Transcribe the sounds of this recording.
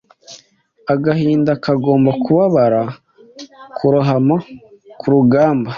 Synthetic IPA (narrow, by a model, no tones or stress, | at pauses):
aɡahiːndakaɡo̞ːmbakuβaβaɾa | kʰuɾuɦamakʰuɾuɡaːmba